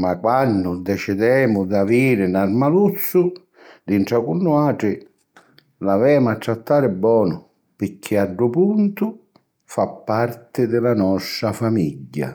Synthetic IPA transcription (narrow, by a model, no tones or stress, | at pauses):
makwanːʊd̪ɛt͡ʃɪd̪ɛːmʊd̪aviːɾɪnarmalut̪sːʊ | d̪iɳʈɾakunːuaːʈɾɪ | lavɛːmʊat̪ːɾat̪ːaːɾɪbːɔːnʊ | pɪɾkʰːɪaɖɾʊpunt̪ʊ | fapːart̪ɪd̪ɪlanɔsɾafamiʎɟːa̰